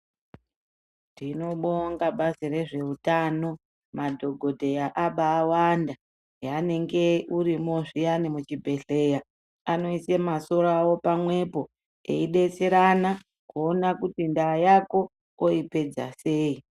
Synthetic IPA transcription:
ndino̞ɓoŋɡaɓazire̞ʐe̞utano̞ | madʱo̞ɡʱo̞dʱe̞jaʔaɓaːwanda | jane̞ŋɡe̞uɾimoʐijanimut͡ʃibʱe̞ɬe̞ja | ano̞isemaso̞rawo̞pamwe̞po̞ | ḛiɗe̞t͡se̞ɾana | kuːnakutindajako̞ː | ipe̞d͡za̰se̞ːi

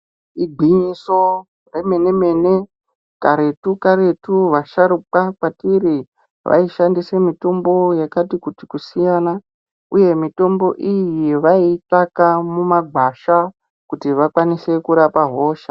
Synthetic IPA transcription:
iɡʱiɲiso̞ | re̞me̞ne̞me̞ne̞ | kaɾe̞tukaɾe̞tuʋaʃaɾuk͡pakwatiɾi | ʋʔa̰iʃandise̞mito̞mbo̞jakatikutikusijana | uje̞mito̞mbo̞ʔijiʋaitakamumaɡʱwaʃa | kutiʋakwanise̞kuɾapaɦo̞ːʃa

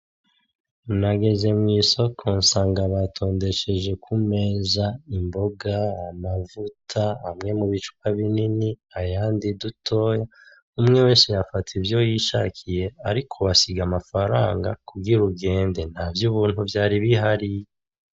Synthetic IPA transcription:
naɡe̞ze̞mŋiːso̞kʰo̞nsaːŋɡaβatʰo̞ːnde̞ʃe̞ʒe̞kʰume̞ːzaimbo̞ɡaamavutʰaːmŋe̞muβit͡ʃu̥kaβininiajaːndidutʰo̞ːja | umŋe̞we̞ːnsejafatʰivjo̞jiʃakʰije̞aɾikʰoβasiɡamafaɾaːŋɡakuɡiɾuɡe̞ːnde̞n̥havjuβuːnhuvjaːɾiβiɦaɾij

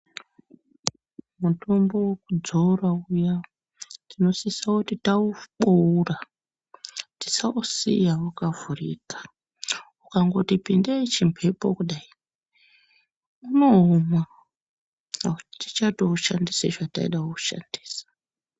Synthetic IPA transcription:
muto̞mbo̞wekud͡zourauja | tino̞sisakutitauɓoura | ti̥sausḭjaukavurḭːkḁ | ukaŋɡo̞tipindeit͡ʃimpʰe̞pokuɗai | uno̞oma | kutitit͡ʃatouʃandiseʐata̰ḭɗaoku̥ʃa̰ndi̥ːsḁ

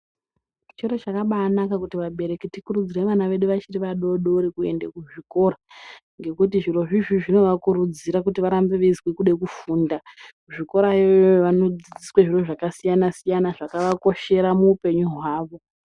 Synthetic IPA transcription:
t͡ʃeɾot͡ʃakaɓaːnakakutiʋaɓe̞ɾe̞kitikurud͡zireʋanaʋe̞ɗuʋat͡ʃiriʋaɗo̞ɗɾikue̞̰ndekuʐiko̞ːɾa | ŋɡe̞kutiʐiro̞ʐiʐiʐino̞ʋakuɾud͡ziɾakutiʋaɾambeʋezwekuɗekufuːndakuʐiko̞ɾajooʋano̞d͡zid͡ziswaʐiro̞ʐakasijanasijanaʐakaʋako̞ʃe̞ɾamuːpe̞ɲuɦwaːʋo̞

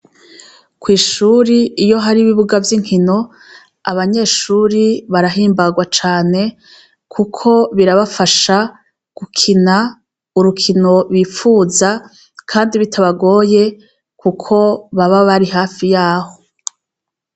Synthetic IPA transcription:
kwiːʃuːɾiijo̞ɦaɾiβiβuɡavjiŋ̥hino̞ | aβaɲe̞ːʃuːɾiβaɾaɦiːmbaɡwat͡ʃaːne̞ | kʰukʰo̞βiɾaβafaʃa | ɡ̥ukʰina | uɾukʰino̞ɾwiːfuːza | kʰaːndiβitʰaβaɡo̞ːje̞ | kukʰo̞βaβaβaɾiɦaːfijaːho̞

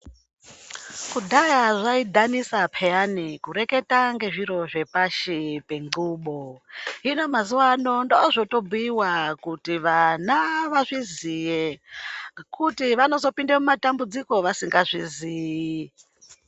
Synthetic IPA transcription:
kudʱajaʐaidʱanisapʰejanikuɾe̞ke̞taŋɡe̞ʐiɾo̞ʐe̞paʃipe̞ŋɡuːɓoɦino̞mazuwano̞ndoʐo̞to̞buiwakutiʋanaʋaʐizije | kʰutiʋano̞zo̞pindemumatambud͡ziko̞ʋasiŋɡaʐiziːji

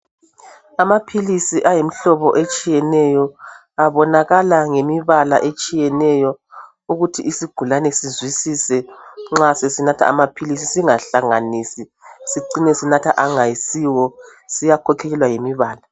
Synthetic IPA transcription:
amapʰilisiʔajemiɬɔβɔʔet͡ʃʼijɛnɛjɔ | aβɔnaɣalaŋemiβala̰ʔet͡ʃʼijɛnɛjɔ | uɣutʰiʔisiɡ̥ʱulanɛsizwisisɛŋ͡ǁasesinatʰa̰a̰mapʰilisisiŋaɬaŋanisi | siǀinɛsinatʰaʔaŋajisiwɔsijakʰɔkʰɛlɛlwajemiβaːla

